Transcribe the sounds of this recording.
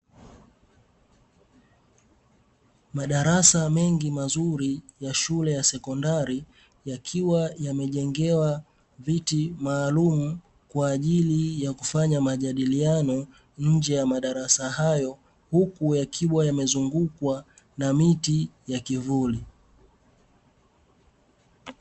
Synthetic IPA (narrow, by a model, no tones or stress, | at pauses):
maɗaɾasamɛŋɡimazuɾijaʃulɛjasɛkɔndaɾi | jakʰiwajamɛʄɛŋɡɛwa | vitimaːlumu | kwaːʄilijakufaɲamaʄaɗilianɔ | ɲ̩d͡ʒɛjamaɗaɾasahajɔ | hukujakʰiwajamɛzuŋɡukwa | namitijakivuli